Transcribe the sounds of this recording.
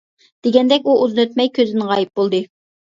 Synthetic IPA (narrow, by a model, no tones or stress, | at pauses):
d̪̥eɡʲɛnd̪ɛkʲuʔuznøt̪̚mɛjkʲʰøzɪnʁɑːjip̚bolˠd̪ɨ